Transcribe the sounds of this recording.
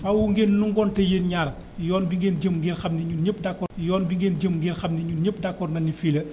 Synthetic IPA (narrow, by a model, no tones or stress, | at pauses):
fawuŋɡeːnːuŋɡɔntɛjenɲaːɾɐ | jɔːnbiŋɡeːnɟəmŋɡiːrxɐmnɛɲuɲəp̚ːdakːɔjɔːnbiŋɡeːnd͡ʒəmŋɡiːrxɐmnɛɲuɲəp̚dakːɔrnɐnifiːlɐ